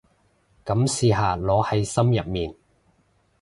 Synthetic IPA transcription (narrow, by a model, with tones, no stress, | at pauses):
kɐ˨˥msiː˧ɦaː˨˧lɔː˨˥hɐ˨˥jsɐ˥mjɐ˨p̚miː˨˩n